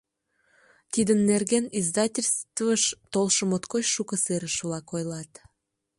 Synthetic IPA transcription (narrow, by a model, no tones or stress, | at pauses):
t̪id̪ənːerɣenizd̪ɑtʲelʲst̪vəʃt̪olʃə̆mot̪kojʃukəseɾəʃβlɑkojlɑt̪